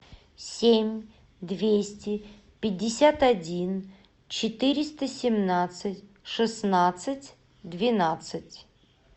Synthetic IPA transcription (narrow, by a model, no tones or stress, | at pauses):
sʲemʲ | d̪vʲesʲtʲɪ | pʲɪdʲːɪsʲat̪ɐdʲin | t͡ɕɪt̪ɨɾʲɪst̪əsʲɪmnat̪sɨtʲ | ʂɨsnat̪sɨtʲ | d̪vʲɪnat̪sɨtʲ